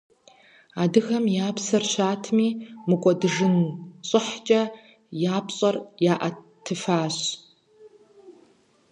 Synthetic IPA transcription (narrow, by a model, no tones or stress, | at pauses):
aːdɨɣɐmjaːpʰsɐrɕaːtʰmiːmɨkʷʼɔdɨʐɨnɕʼɪħt͡ʃʼɐ | jaːpɕʼɐrjaːʔɐ | tʰːɨfaːɕ